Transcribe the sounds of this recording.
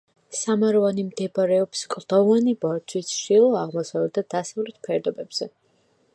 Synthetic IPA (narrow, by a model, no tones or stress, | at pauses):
samaɾɔvanimd̪ɛbaɾɛɔpskʼd̪̥ɔvanibɔɾt͡ʃʰwisʃilˠɔaʁmɔsavɛbd̪ad̪̥asavlɛt̪ʰpʰɛɾd̪ɔbɛbz̥ɛ